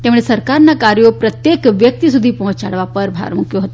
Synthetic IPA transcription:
t̪ẽmɭesəɾkaɾnakaɾjopɾət̪jekʋjək̚t̪isud̪ʱiːpɔɦũt͡ʃa̰ɽʋapəɾbʱa̰ɾmukʰjoɦot̪o

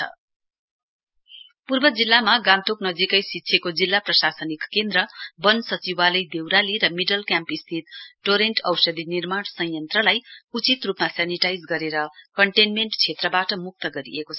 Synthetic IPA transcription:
ʌ̰ | purbʌd͡zilːamaɡãnt̪oknʌd͡zikʌjsitːsʰekod͡zilːaprʌsasʌnikːend̪rʌbʌnsʌt͡sibalʌjd̪ewɾaliɾʌmiɖʌlkjampist̪ʰit̪̚ʈoɾeɳʈʌwsʌd̪ʱinirmaɽsʌjʌnt̪rʌlajut͡sit̪rupmasaniʈajd͡zɡʌɾeɾʌkʌɳʈenmeɳʈt͡sʰet̪rʌbaʈʌmuk̚t̪ʌɡʌɾḭekot͡sʰʌ

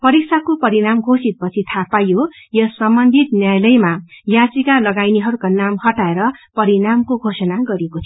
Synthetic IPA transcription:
pʌɾiksʰakopʌɾiɾamɡʱosit̪̚pʌt͡sʰit̪ʰapajo | jʌsʌmbʌnd̪ʱit̪njajlʌjmajat͡sikalʌɡajniɦʌɾukanamhʌʈaeɾʌpʌɾiɾamkoɡʱosʌnaɡʌɾekot͡sʰ

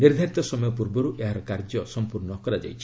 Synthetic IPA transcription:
niɾd̪ʱaɾit̪ɔsɔmɔjɔp̬uɾbɔɾuʔeɦaɾɔkaɾd͡ʒɔsɔmpuɾnɔkɔɾad͡ʒa̰jt͡ʃʰi̥

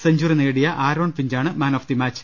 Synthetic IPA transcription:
sɐɲd͡ʑuːrineːɽijɐʔaːɾoːɳfiɲd͡ʑaːɳɨmaːnoːfd̪imaːt͡ɕː

